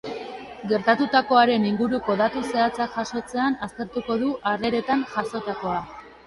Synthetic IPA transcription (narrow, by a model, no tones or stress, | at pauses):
ɡe̞ɾt̪at̪ut̪ako̞aɾe̞niŋɡuɾuko̞ðat̪use̞at͡sakʝaso̞t͡se̞anast̪e̞ɾt̪uko̞ðuʔare̞ɾe̞t̪anʝaso̞t̪ako̞a